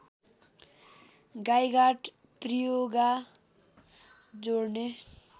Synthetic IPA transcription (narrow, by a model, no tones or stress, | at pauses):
ɡajɡaʈ | t̪rijoɡa | d͡zorne